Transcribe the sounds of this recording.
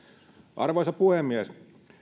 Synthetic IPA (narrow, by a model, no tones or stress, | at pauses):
ʔɑ̰rʋoisɑpuhemːiæs